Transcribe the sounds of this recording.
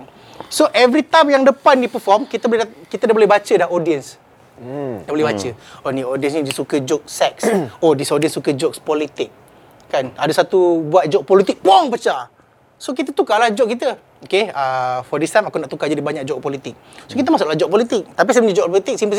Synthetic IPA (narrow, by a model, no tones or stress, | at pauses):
soʔɛvɾit̪amjaŋdəpandipəfɔmkit̪əbolkit̪ədabolɛhbat͡ʃədahodiəns | dabolɛhbat͡ʃəoniodiənsĩd͡ʒasukəd͡ʒɔk̚sɛksodisodiənsukəd͡ʒɔkspɔlit̪ɪk̚ | kːanadəsat̪ubuat̪̚d͡ʒɔk̚pɔlit̪ɪk̚poŋpət͡ʃa | sokit̪̬ət̪ukalad͡ʒɔʔ̚kit̪ə | okeəfɔdist̪ajmakonaʔt̪ukad͡ʒadibaɲak̚d͡ʒɔk̚pɔlit̪ɪk̚sokit̪əmasʊʔlahd͡ʒɔk̚pɔlit̪ɪk̚t̪ap̬is̬ajməɲd͡ʒəd͡ʒɔkpɔlit̪ɪk̚simpəs